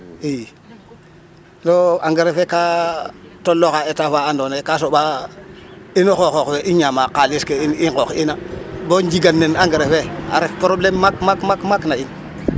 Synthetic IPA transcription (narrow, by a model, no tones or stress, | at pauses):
ij | noaŋɡeɾefeka | tolːoxaetafaandonekasoɓa | inoxoxokweʔiɲamakaliskeiniŋkokinaboɲd͡ʒiɡanːenaŋɡeɾefea̰ɾefpɾoblemːakmakmakmaknain